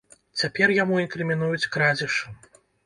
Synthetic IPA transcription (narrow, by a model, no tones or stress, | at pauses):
t͡sʲapʲɛrjamuinkɾɨmʲin̪ujut͡sʲkɾad͡zʲiʂɨ